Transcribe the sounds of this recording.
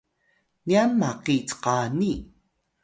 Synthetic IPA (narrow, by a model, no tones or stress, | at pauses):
nianmaqit͡sqani